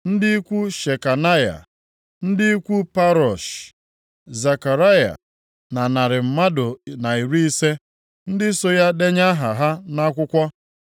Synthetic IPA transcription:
n̩˦dɪ˦i˦kʷu˦ʃe˨ka˨na˦ja̰˨ | n̩˦dɪ˦i˦kʷu˦pa˦ɾɔ˨ʃ | za˨ka˨ɾa˦ja̰˨ | na˨na˨ɾɪ˨m̩˨ma˦dʊ˨na˨i˨ɾu˦i˦se˦ | n̩˦dɪ˦so˦ja˦de˦ɲa˦ɦa˨ɦa˦na˦kʷʊ˦kʷɔ˦

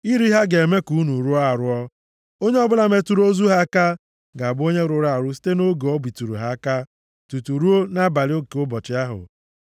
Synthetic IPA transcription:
i˦ɾi˦ɦa˦ɡe˨me˦ku˨˦nu˨ɾu˦ɔ˦a˨ɾʊ˦ɔ˦ | o˦ɲe˦ɔ˦bʊ˦la˨me˨tu˨ɾo˦zu˦ɦa˦ka˦ | ɡa˨bʊ˦o˦ɲe˦ɾʊ˨˦ɾa˨ɾʊ˦s̬i̥˦te˦no˦ɡe˨ɔ˦bi˨tu˨ɾṵ˨ɦa˦ka˦ | tu˨tu˨ɾu˦o˦na˦ba˨lɪ˦o˦˨kʊ˦bɔ˨t͡ʃɪ˦a˦ɦʊ̰˨

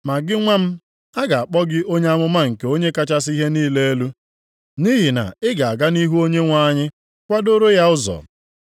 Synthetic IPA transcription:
ma˨ɡɪ˦ŋʷa˦m̩˦ | a˦ɡa˨a˨k͡pɔ˦ɡɪ˦ʔo˦ɲe˦a˦mʊ˦ma˦ŋ̩˨ke˨˦o˦ɲe˦ka˦t͡ʃa˦s̬i˦ɦe˦niː˦le˦e˦lu˦ | ni˦ɦi˨na̰˨ɪ˦ɡa˨a˨ɡa˦ni˦ɦu˦o˦ɲe˦ŋʷa˦ɲɪ˦ | kʷa˦do˦ɾo˦ja˦ʊ˦zɔ̰˨

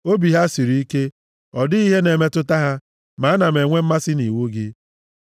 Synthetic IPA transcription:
o˦bi˨ɦa˦si˨ɾi˨˦i˦ke˦ | ɔ˨dɪ˦i˦ɦe˦ne˨me˦tʊ˦ta˦ɦa˦ | ma˨a˦na˨me˨ŋʷe˦m̩˦ma˦sɪ˦ni˨wo˦ɡɪ˦

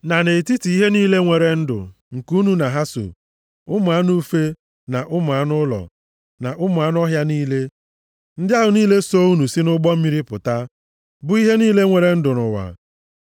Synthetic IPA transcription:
na˨ne˨ti˦ti˨i˦ɦe˦niː˦le˦ŋʷe˨ɾe˨n̩˦dʊ̰˨ | ŋ̩˨ku˦nu˦na˨ɦa˦so̰˨ | ʊ˦mʊ˨a˦nu˦fe˦ | na˨ʔʊ˦mʊ˨a˦nʊ˦lɔ̰˨ | na˨ʔʊ˦mʊ˨a˨˦n˦ɔ˦ɦja˦niː˦le˦ | n̩˦dja˦ɦʊ˨niː˦le˦so˦u˦nu˨si˦nʊ˦ɡ͡bɔ˦m̩˦mi˦ɾi˦pʊ̰˨ta˦ | bʊ˦i˦ɦe˦niː˦le˦ŋʷe˨ɾe˨n̩˦dʊ˨nʊ̰˨wa̰˨

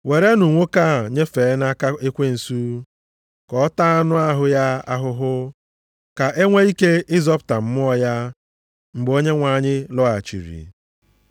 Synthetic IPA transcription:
we˨ɾe˦nu˨ŋʷo˦ka˦˨ɲe˦fe˨˦na˦ka˦ɪ˦kʷe˦n̩˨su˦ | kɔ˨˦ta˦a˦nʊ˦a˦ɦʊ˦ja˦a̰˦ɦʊ˦ɦʊ˦ | ka˨ʔe˦ŋʷe˦i˦ke˦ʔɪ˦zɔ˦pʊ˨ta˨m̩˦m˦ɔ˦ja˦ | ŋ͡m̩˨ɡ͡bo˦ɲe˦ŋʷa˨ɲɪ˦lɔ˦a˨t͡ʃḭ˨ɾḭ˨

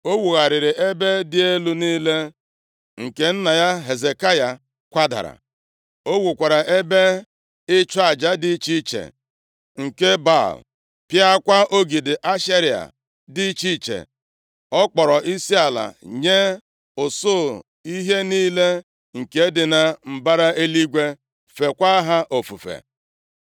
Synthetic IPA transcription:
o˦wu˨ɣa˨ɾɪ˨ɾɪ˨ʔe˦be˦dɪ˦e˦lu˦niː˦le˦ | ŋ̩˨ke˨n̩˦na˨ja˦ɦe˨ze˨ka˦ja˨ | kʷa˦da̰˨ɾa̰˨ | o˦wu˨kʷa˨ɾa˨ʔe˦be˦ | ɪ˦t͡ʃa˨d͡ʒa˦dɪ˦t͡ʃi˦t͡ʃḛ˨ | ŋ̩˨ke˦ba̰˦˨l | pja˦kʷa˦ʔo˦ɡi˨dɪ˨ʔa˦ʃe˦ɾi˨a̰˨ | dɪ˦t͡ʃi˦t͡ʃḛ˨ | ɔ˦k͡pɔ˨ɾɔ˨ʔi˦si˦a˨la̰˨ɲe˦ | ʊ˨so˦˨ | i˦ɦe˦niː˦le˦ | ŋ̩˨ke˦dɪ˨na˨m̩˨ba˦ɾa˦ʔe˦li˦ɡʷe˦ | fe˨kʷa˦ɦa˦ʔo˨fṵ˨fḛ˨

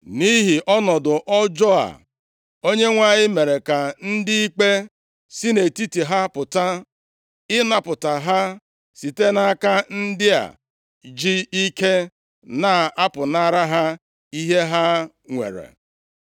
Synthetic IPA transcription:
ni˦ɦi˨ʔɔ˦nɔ˨dʊ˨ʔɔ˦d͡ʒɔ˦a̰˨ | o˦ɲe˦ŋʷa˦˨ɲɪ˦me˨ɾe˨ka˨n̩˦dɪ˦i˦k͡pe˦ | si˦ne˨ti˦ti˨ɦa˦pʊ˨ta˦ | ɪ˦na˦pʊ˨ta˨ɦa˦ | si˨te˦na˦ka˦n̩˦dɪ˦a̰˨ | d͡ʒi˦i˦ke˦ | na˨a˦pʊ˨na˦ɾa˦ɦa˦ | i˦ɦe˦ɦa˦ | ŋʷḛ˨ɾḛ˨

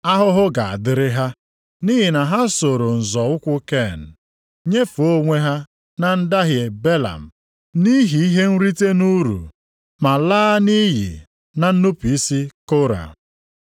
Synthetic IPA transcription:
a˦ɦʊ˦ɦʊ˦ɡa˨a̰˨dɪ˦ɾɪ˦ɦa˦ | ni˦ɦi˨na˨ɦa˦so˨ɾo˨n̩˨zɔ˨ʊ˦kʷʊ˦ke˦˨n̩˨ | ɲe˦fo˦ŋʷe˦ɦa˦ | na˨n̩˦da˦ɦje˨be˦la̰˨m̩˨ | ni˦ɦi˨i˦ɦe˦n̩˦ɾi˦te˦nu˦ɾṵ˨ | ma˨laː˦ni˦ɦḭ˨ | na˨n̩˦nu˦pi˦si˦ko˦ɾa̰˨

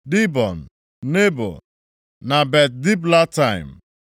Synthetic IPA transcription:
di˦bɔ˨n̩˨ | ne˦bɔ̰˨ | na˨bɛ˨t̚di˦bla˦ta˦˨ɪ˨m̩˨

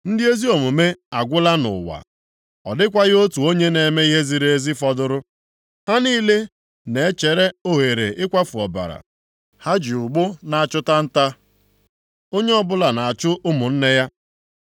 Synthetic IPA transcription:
n̩˦dɪ˦e˦zi˦o˨mu˨me˦a˨ɡʷʊ˦la˦nʊ̰˨wa̰˨ | ɔ̰˨dɪ˦kʷa˦ɣɪ˦o˦tu˨o˦ɲe˦ne˨me˦i˦ɦe˦zi˦ɾee˦zi˦fɔ˦dʊ˦ɾʊ˦ | ha˦niː˦le˦ | ne˨e˦t͡ʃe˨ɾe˦o˦ɦe˨ɾe˨ʔɪ˦kʷa˦fu˨ɔ˨ba̰˨ɾa̰˨ | ha˦d͡ʒi˨ʊ˨ɡ͡bʊ˦na˨a˨t͡ʃʊ˦ta˦n̩˦ta˦ | o˦ɲe˦ɔ˦bʊ˦la˨na˨a˨t͡ʃʊ˦ʔʊ˦mʊ˨n̩˦ne˦ja˦

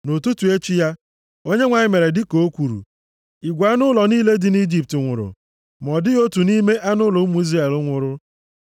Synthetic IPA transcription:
no˨tu˦tu˨e˦t͡ʃi˦ja˦ | o˦ɲe˦ŋʷa˨ɲɪ˨me˨ɾe˨dɪ˦ko˨˦o˦kʷu˨ɾṵ˨ | i˨ɡʷa˦nʊ˦lɔ˨niː˦le˦dɪ˦ni˦d͡ʒi˦p̚tɪ˨ŋʷʊ̰˨ɾʊ̰˨ | mɔ˨dɪ˦o˦tu˨ni˦me˦ʔa˦nʊ˦lɔ˨˦mu˨˦i˦zra˦e˨lʊ˦ŋʷʊ˨ɾʊ˦

